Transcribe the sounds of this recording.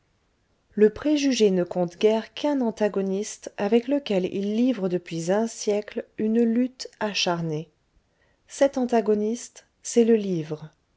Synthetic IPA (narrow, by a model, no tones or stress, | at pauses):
ləpχeʒyʒenəkɔ̃t̪ɡʲɛʁkʰɛ̃nɑ̃t̪aɡɔnist̪avɛkləkʲɛlḭlːivʁəd̪əpɥizɛ̃sjɛklynlyt̪aʃaʁne | sɛt̪ɑ̃t̪aɡɔnist̪ | sɛləlivʁə